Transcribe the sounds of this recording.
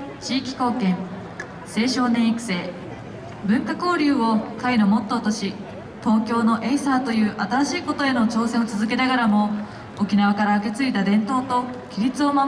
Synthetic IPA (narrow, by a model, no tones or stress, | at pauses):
t͡ɕiːkʲi̥ko̞ːkẽ̞ɴ | se̞ːɕo̞ːnẽ̞iki̥se̞ː | bɯ̟̃ŋkako̞ːɾʲɯ̟ːo̞kaino̞mo̞t̪ːo̞ːt̪o̞ɕi | t̪o̞ːkʲo̞ːno̞ʔe̞isaːt̪o̞jɯ̟ːʔat̪aɾaɕiːko̞t̪o̞e̞no̞t͡ɕo̞ːsẽ̞ot͡sɨzɨk̬e̞naɡaɾamo̞ | okʲinaβ̞akaɾaɯke̞t͡sɨit̪ad̪ẽ̞nt̪o̞ːt̪o̞kʲiɾʲit͡sɨo̞mam